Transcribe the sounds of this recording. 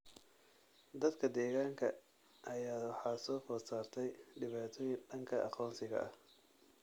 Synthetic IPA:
d̪ɐd̪kʰɐd̪ɛːɣaːŋkʰɐ | ʔɐjaːwɑħɑːsɔːfɔːsaːrt̪ʰɛjɖɪβaːt̪ʰɔːjɪnɖɐŋkʰɐʔɑ̰qɔːnsɪɣɐ̰ʔɐ

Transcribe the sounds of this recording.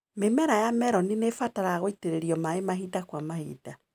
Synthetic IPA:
memɛɾajamɛɾɔninefataɾaaɣoiteɾeɾiɔmaemaɦidakwamahḭːd̥a

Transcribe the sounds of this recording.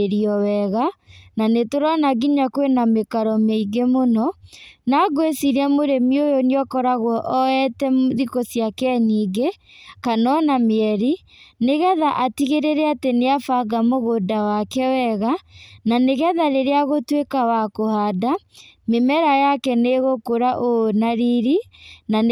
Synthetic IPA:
eɾiɔwɛɣananetoɾanaɣiɲakwenamekaɾɔmeiɡemonɔnaɡoesiɾamoɾemiojoniɔkɔɾaɣwɔʔɔɛtɛmðikosjakɛɲiːɡe | kanɔnameɛɾi | neɣɛðaʔatiɣeɾeɾɛateneafaɡamoɣodawakɛwɛɣananeɣɛðaɾeɾeaɣotwekawakohadamemɛɾajakɛneɣokoɾaʔonaɾiɾinan

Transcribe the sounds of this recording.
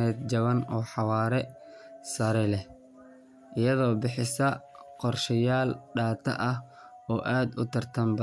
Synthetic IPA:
ɛːd̪d͡ʒɐβɐnɔːħɑwɑːɾɛ | sɐɾɛlɛ | ʔɪjɐðɔːbɪħɪsɐqɔrʃɐjaːlɖaːt̪ʰɐ̰ʔɐh | ɔːʔaːd̪ʊt̪ʰɐrt̪ʰɐmbɐ

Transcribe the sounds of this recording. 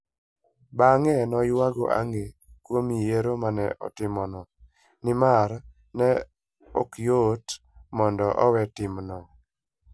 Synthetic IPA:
baŋɛnɔjwaɡo̰ʔa̰ŋɡekwomijeɾomanɛʔɔ̰tɪmɔnɔ | nɪmaɾ | nɛ | o̰kjot | mɔndɔʔɔ̰wɛtɪmnɔ

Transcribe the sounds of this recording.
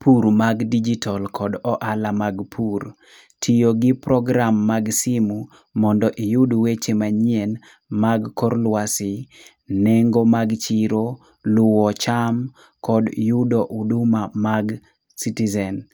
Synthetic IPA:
puɾmaɡdid͡ʒitʰalkʰɔdɔʔalamaɡpʰuɾ | tʰijoɡɪpɾɔɡɾamːaɡsimu | mɔndɔʔijudwet͡ʃemaɲien | maɡkɔɾlwasɪ | neŋɡomaɡt͡ʃiɾo | lʊwɔt͡ʃam | kɔdjudoʔudumamaɡ | sitizɛn

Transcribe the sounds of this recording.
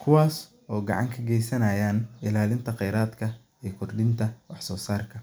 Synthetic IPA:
kʰʊwaːs | ɔːɡɑ̰ʕɑ̰ŋkʰɐɡɛjsɐnɐːjaːnɪlaːlɪnt̪ʰɐqɛjɾaːd̪kʰɐ | iːɞkʰʊrd̪ɪnt̪ʰɐwɑħsɔːsaːrkʰɐ

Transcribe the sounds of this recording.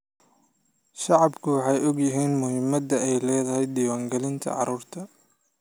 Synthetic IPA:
ʃɑʕɑbkʰʊwɑħɑjɔɡjɪɦiːnmʊɦɪmːɐd̪ɐʔɛjlɛːðɐɦɛjd̪iːwaːŋɡɛlɪnt̪ʰɐ̰ʕɑ̰ɾuːrt̪ʰɐ

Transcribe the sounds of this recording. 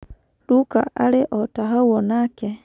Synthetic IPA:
luka̰ʔaleʔɔtaɦawɔnake

